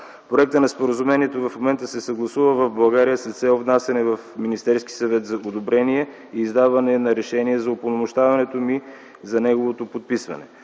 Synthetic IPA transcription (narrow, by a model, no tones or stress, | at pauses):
pɾoɛk̚t̪ənɐspoɾəzumɛniɛt̪ovɐfmomɛnt̪əsɛsɐɡlˠɐsuvəvɐvbɐɡaɾijəsɐt̪sɛlˠvnasʲɛnɛvɐfminist̪ɛɾski̥sɐvɛt̪zɐʔod̪obɾɛniɛ | iːzd̪avɐnɛnɐɾɛʃɛniɛzɐoponomʊʃt̪avɐnɛt̪omi | zɐnɛɡovot̪opot̪̚pisvɐ̰nɛ̰